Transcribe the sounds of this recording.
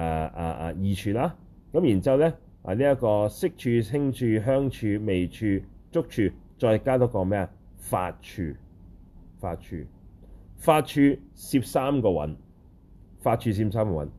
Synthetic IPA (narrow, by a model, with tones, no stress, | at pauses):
ɛ˨˧a̰ː˨˧ʔa̰˨˩jiː˨˧t͡ʃʰyː˧laː˥ | kɐ˨˥mjiː˨˩nt͡siː˥ɐ˨˧wlɛ˥ | a̰ː˨˩niː˥jɐ˥tkɔː˧sɪ˥k̚t͡ʃʰyː˧t͡sʰɪ˥ŋt͡ʃʰyː˧ɦœː˥ŋt͡ʃʰyː˧me˨jt͡ʃʰyː˧t͡ʃʊ˥k̚t͡ʃʰyː˧t͡ʃɔː˧jkaː˥t̪ɔː˨˥kɔː˧mɛː˥ɐ˨ | fa̰ː˧t̚t͡ʃʰy̰ː˧ | fa̰ː˧t̚t͡ʃʰy̰ː˧ | faː˧t̚t͡ʃʰyː˧siː˧p̚saː˥mkɔː˧wɐ̰˨˥n | faː˧t̚t͡ʃʰyː˧s̬iː˧p̚saː˥mkɔː˧wɐ̰˨˧˦n